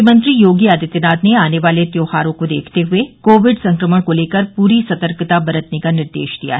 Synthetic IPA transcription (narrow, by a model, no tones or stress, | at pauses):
mə̃nt̪ɾijoːɡiaːd̪it̪ənaːd̪neaːneʋaːlet̪joːhaːɾõkod̪ḛːkʰt̪eɦʊekoːʋɪɖsɐ̃ŋkɾəməɽ̃koleːkəɾpuːɾisɐt̪əɾkət̪abɐɾət̪nekanɪɾd̪ḛːʃd̪ija̰ɦɛ